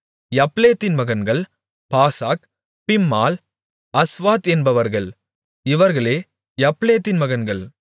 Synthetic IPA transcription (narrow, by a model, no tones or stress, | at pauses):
jɐpleːt̪ːɪnmɐɣɐnɡɐɭ | paːsaːk | pɪmːaːl | ɐsʋaːt̪ɛnbɐʋɐɾɣɐɭ | ɪʋɐɾɣɐɭeː | jɐpleːt̪ːɪnmɐɣɐnɡɐɭ